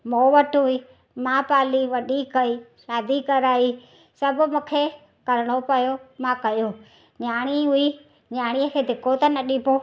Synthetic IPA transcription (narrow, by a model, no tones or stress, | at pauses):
moːʋɐʈɦʊi | mãpaːliʋɐɗikɐiʃaːd̪ikɐɾaːi | sɐbʊ̆mũːkʰe | kɐɾɪɽ̃opɐjomãkɐjo | ɲaːɽ̃iɦʊi | ɲaːɽ̃iəkʰeːd̪ɪkʰot̪ɐnɐɗipo